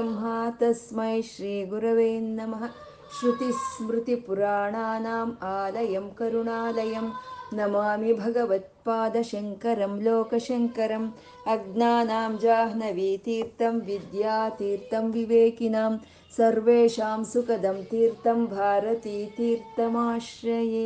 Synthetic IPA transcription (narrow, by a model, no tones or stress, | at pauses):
mɦaːt̪ɐsmɐjʃɾiːɡuɾɐʋeːnːɐmɐɦɐ | ʃɾut̪ismɾut̪ipuɾaːɳaːnaːmaːlɐjɐmkɐɾuɳaːlɐjɐmnɐmaːmibʱɐɡɐʋɐt̪̚paːd̪ɐʃɐŋkɐɾɐmloːkɐʃɐŋkɐɾɐm | ɐɡnaːnaːmd͡ʒaːɦnɐʋiːt̪iːɾt̪ɐmʋid̪jaːt̪iːɾt̪ɐmʋiʋeːkinaːm | sɐɾʋeːʃaːmsukɐd̪ɐmt̪iːɾt̪ɐmbʱaːɾɐt̪iːt̪iːɾt̪ɐmaːʃɾɐjeː